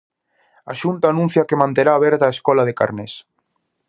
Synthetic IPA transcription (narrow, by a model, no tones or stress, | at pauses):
aʃunt̪aːnũn̟θjakemãnt̪eɾaːβɛɾt̪aːeskɔlað̞eka̰ɾnes